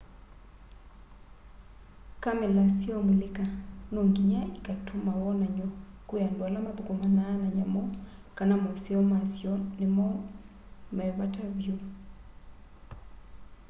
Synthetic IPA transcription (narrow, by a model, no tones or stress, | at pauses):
kamɛlasiɔmilɪkanoŋɡiɲaikatʰomawɔnaɲɔkujandwalamaðukomanaːnaɲamɔkanamɔsɛɔmasjɔnɪmɔ | mɛβataβjo